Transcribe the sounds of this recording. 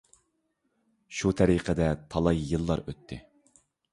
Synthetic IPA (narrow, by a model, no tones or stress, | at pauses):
ʃut̪ʰɛɾiqʰəd̪ɛt̪ʰɑlˠɑjjːɨlˠːɑ̰ɾøt̪ʰːɪ̰